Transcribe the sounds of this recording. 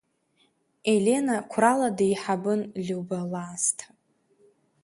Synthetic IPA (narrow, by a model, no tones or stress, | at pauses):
e̞lʲe̞nakʷʰraladaiħabɨnlʲuwbalaːstʰ